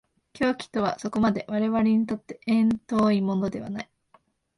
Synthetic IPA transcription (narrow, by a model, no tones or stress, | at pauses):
kʲo̞ːkʲi̥t̪o̞β̞a̰so̞ko̞mad̪e̞βaɾe̞βaɾeɲ̟it̪o̞t̪ːe̞ʔẽnt̪o̞ːimo̞no̞d̪e̞βa̰nai